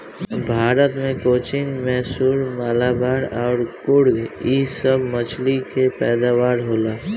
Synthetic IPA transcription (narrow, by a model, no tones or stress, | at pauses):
bʱaːɾət̪mẽkoːt͡ʃɪŋɡmɛsuːɾmaːlaːbaːɽɔːɾkʊɽɡiːsəbmət͡ʃlikepɛːd̪aːʋaːɾɦoːlaː